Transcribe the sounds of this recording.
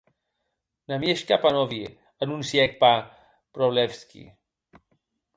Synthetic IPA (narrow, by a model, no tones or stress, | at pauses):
namjɛʃkapanovi | anunsjɛk̚pa | pɾovlɛfskḭ